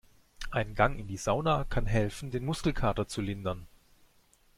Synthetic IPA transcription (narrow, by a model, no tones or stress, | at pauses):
ʔaɪnɡaŋɪndiːz̥aʊnakʰanɦɛlfn̩deːnmʊskl̩kʰaːɐtɐt͡sulɪndɐn